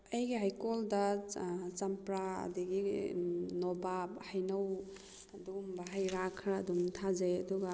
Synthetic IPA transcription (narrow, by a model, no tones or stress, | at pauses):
ɐjɡiɦajkoldɐ | t͡ʃɐmpɾaɐ̰diɡi | nobabhajnɐw | dumbaɦajɾakʰɾadumtʰazeɐduɡɐ